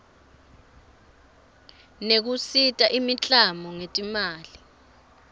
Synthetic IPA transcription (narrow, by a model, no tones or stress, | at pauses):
nek̬usitʼaʔimit͡ɬʼamɔŋetʼimaːli